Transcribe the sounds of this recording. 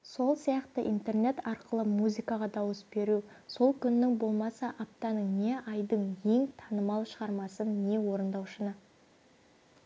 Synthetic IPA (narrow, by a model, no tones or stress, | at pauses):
so̞lˠsijɑqt̪əʔint̪e̞rne̞t̪ɑɾqəlˠəmuzʲikɑʁɑd̪ɑwəsbe̞ɾu | so̞lˠkʲʰʏnːɪŋbo̞lˠmɑsɑʔap̚t̪ɑnəɴne̞ɑjd̪əɴje̞ŋt̪ʰɑnəmɑlˠʃəʁɑɾmɑsənːe̞wo̞ɾənd̪ɑwʃənə